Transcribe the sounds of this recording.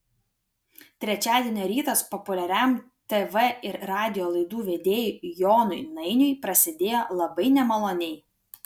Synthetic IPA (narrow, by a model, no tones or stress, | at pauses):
t̪ʲɾʲɛt͡ʃʲæːd̪ʲieɛnʲoːɾʲiːt̪ɐspɔpʊlʲɛɾʲæˑm | t̪ɛʋɛɪɾɾɑːd̪ʲɪjoːlˠɐɪd̪uːʋʲeːd̪ʲeːjʊjoːnʊɪnɐɪnʲʊɪpɾɐsʲɪd̪ʲeːjoːlˠɐbɐɪnʲɛmɐlˠoːnʲɛɪ